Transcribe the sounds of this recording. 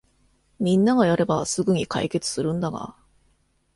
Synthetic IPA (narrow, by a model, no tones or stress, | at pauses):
mʲĩnːaɡajaɾe̞basɨɡɯɲ̟ika̰ike̞t͡sɨ̥sɨɾɯ̟̃nd̪aɡa̰